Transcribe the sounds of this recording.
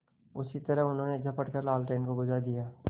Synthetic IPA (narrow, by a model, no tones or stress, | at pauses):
ʊsit̪ɐɾəɦʊnɦõːned͡ʒʱɐpəʈkəɾlaːlʈeːnkoɡʊd͡ʒad̪ijaː